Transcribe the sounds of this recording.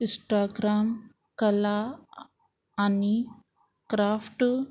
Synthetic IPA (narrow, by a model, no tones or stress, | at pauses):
isʈaːɡɾaːm | kɐla | ni | kɾaːpʰʈ